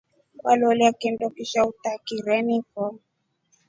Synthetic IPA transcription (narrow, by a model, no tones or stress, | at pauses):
kwalɔliakindɔkiʃaut̪akiɾɛnikɔ